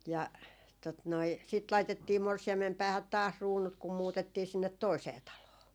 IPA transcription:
jɑ tot noi sit lɑitetːiː morsiɑmːem pæːhæt tɑːs ruːnut kum muːtetːiː sinːet toiseː tɑloː

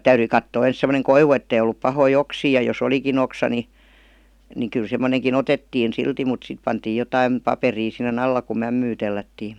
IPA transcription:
tæyryi kɑtːoː ens semoneŋ koiʋu etːei olːup pɑhoi oksiː jɑ jos olikin oksɑ ni ni kyl semːoneŋkin otetːiːn silti mut sit pɑntiːj̆ jotɑim pɑperiː sinˑen ɑlːɑ ku mæmːyː telːætːiːm

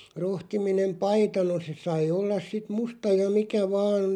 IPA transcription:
rohtiminem pɑitɑ no se sɑi olːɑs sit mustɑ jɑ mikæ ʋɑːn

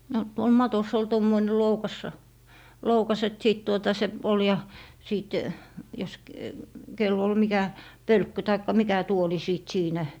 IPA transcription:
no tuol mɑtos ol tomːoine loukɑsːɑ loukɑs et siˑt tuotɑ se ol jɑ siˑt jos k kelː ol mikæ pølkːy tɑikːɑ mikæ tuoli siˑt siːnæ

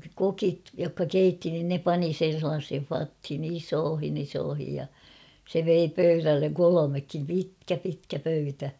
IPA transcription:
kokit jokːɑ keitːi nin ne pɑni sen̞ selːɑːshen̞ʲ fɑthin isoːhin isoːhij jɑ se ʋei pøyrælːeŋ kolomekːim pitkæ pitkæ pøytæ

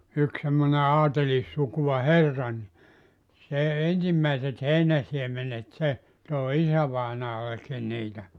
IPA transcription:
yk semːone ɑːtelisːukuw̆ɑ herːɑ ni se ensimːæiset heinæsiemenet se toˑi isæʋɑinɑːlekːin niːtæ

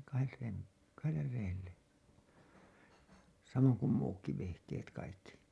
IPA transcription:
kɑhet reːt kɑhelːer reːlːe sɑmoŋ kum muːkːi ʋehkeːt kɑikːi

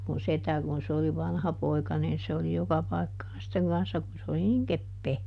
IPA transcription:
mun setæ kun se oli ʋɑnhɑpoikɑ niːn se oli jokɑ pɑi̯kːɑːn sitːeŋ kɑnsːɑ kun se oli niŋ kepːeː

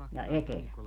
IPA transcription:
jɑ etelæ

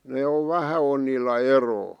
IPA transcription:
ne oʋ ʋæhæ on niːlːæ eroː

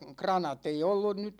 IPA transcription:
krɑnɑt ei olːun nyt

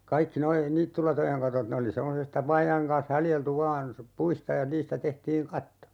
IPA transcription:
kɑikːi noi niːtːylɑtojeŋ kɑtot ne oli semːosestɑ ʋɑːjɑeŋ kɑːn̞s hɑljeltu ʋɑːn puistɑ jɑ niːstæ tehtiːŋ kɑtːo

